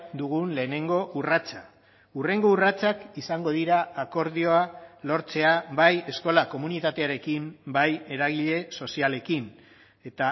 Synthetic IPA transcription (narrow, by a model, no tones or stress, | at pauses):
d̪uɣunle̞ːne̞ŋɡo̞ʔurat͡sa | ure̞ŋɡo̞urat͡sakisaŋɡo̞ðiɾaːko̞ɾð̞io̞alo̞ɾt͡se̞aβaje̞sko̞lako̞munit̪at̪e̞aɾe̞kimbaje̞ɾaɣ̞iʎe̞so̞siale̞kin | e̞t̪a